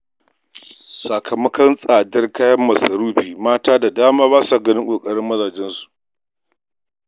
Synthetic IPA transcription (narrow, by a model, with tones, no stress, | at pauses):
sɐ˨kʰɐ˨mɐ˦kɐ˦nsʼaː˨dɐ˦rkaː˦jɐ˦mːɐ˨sɐ˨ɾuː˦ɸiː˨maː˦taː˦da˨daː˦maː˦βaː˦sa˨ɡɐ˦nɪ˦ŋkʷʼoː˨kʼɐ˦ɽɪ˦mːɐ˦zaː˨d͡ʒɛ˦nsu̥˨ʔ